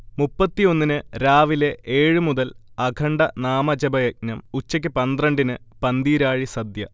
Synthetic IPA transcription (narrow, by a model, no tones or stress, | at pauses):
mupːɐt̪ːijo̞nːinɨɾaːʋile̞ʔeːɻɨmuðɐlɐɡʰʱɐɳɖɐnaːmɐd͡ʑɐbɐjɐk̚nɐmut͡ɕːɐk̬ʲːɨpɐnd̪rɐɳɖinɨpɐnd̪iːɾaːɻisɐd̪jɐ